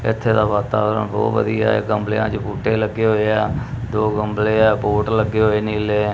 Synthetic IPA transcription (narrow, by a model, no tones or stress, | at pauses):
ɪ̰t̪ʰːeːd̪aːʋaːt̪aːʋɾə̰nbɔ̰ːt̪ʋə̰d̪ija̰ːḛɡəmbleã̰ːt͡ʃəpuːʈeːləɡːeːɦoːeaː | d̪oːɡəmbleːɛːboːʈləɡːeːɦoeːniːleː